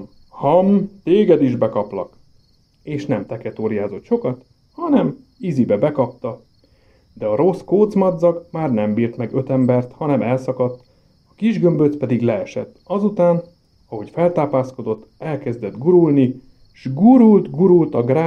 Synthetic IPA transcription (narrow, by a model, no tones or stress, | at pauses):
hɒmt̪eːɡɛd̪iʒbɛkɒplɒ̰k | eːʃnɛmt̪ɛkɛt̪oːɾijaːzo̞t̪ʃo̞kɒt̪ | hɒnɛm | izibɛbɛkɒp̚t̪ɒ | d̪ɛɒɾo̞skoːd̪zmɒd̪zɒkmaːrnɛmbiːrt̪mɛɡø̞t̪ɛmbɛrt̪hɒnɛmɛlsɒkɒt̪ː | ɒkiʒɡø̞mbøt̪spɛd̪iɡlɛɛʃɛ̰t̪ːɒzut̪aːn | ɒɦo̞cfɛlt̪aːpaːsko̞d̪o̞t̪ːɛlkɛzd̪ɛd̪ɡuɾulni | ʃɡuɾult̪ɡuɾult̪ɒɡraː